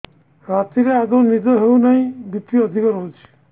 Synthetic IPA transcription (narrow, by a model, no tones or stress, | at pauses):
ɾat̪iɾeaɡownid̪ɔɦewnaĩbit̪ːiɔd̪ʱikɔɾɔwt͡ʃʰi̥